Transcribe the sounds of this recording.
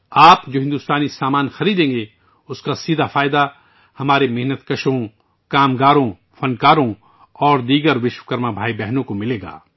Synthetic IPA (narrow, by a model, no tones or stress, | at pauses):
aːpd͡ʒoːɦɪ̃nd̪ʊst̪aːnisaːmaːnxɐɾiːd̪ẽːŋɡe | ʊskasiːd̪ʱafaːɪd̪a | hɐmaːɾemɪɦnət̪kɐʃõ | kaːmɡaːɾõ | fɐnkaːɾõ | ɔːɾd̪iːɡəɾʋɪʃwkɐɾmabʱaːibɛɦnõkomɪleːɡa̰ː